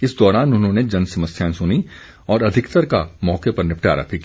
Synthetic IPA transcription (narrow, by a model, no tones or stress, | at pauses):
ɪsd̪ɔːɾaːnʊnɦõːned͡ʒɐnsɐməsjãːsʊni | ɔːɾɐd̪ʱɪkt̪əɾkamɔːkepɐɾnɪpʈa̰ːɾa̰pʰik